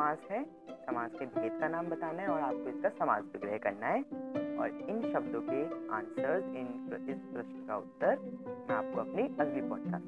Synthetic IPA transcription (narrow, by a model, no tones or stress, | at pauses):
saːzɦɛ | sɐmaːzked̪eːt̪̚kanaːmbɐt̪aːnaɦɛɔːɾaːp̚koɪskasɐma̰ːzʋɪɡɾəɦkɐɾnaɦɛɔ̰ːɾɪnʃɐbd̪õkeã̰ːnsəɾzɪnɪspɾʊʃnkaʊt̪ːəɾmɛ̃a̰ːp̚koɐpniɐɡbipɔ̃ːt͡ʃka̰ːt̪ː